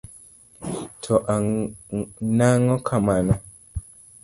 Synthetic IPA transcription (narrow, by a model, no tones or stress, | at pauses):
tʰɔʔa | naŋɔkʰamanɔ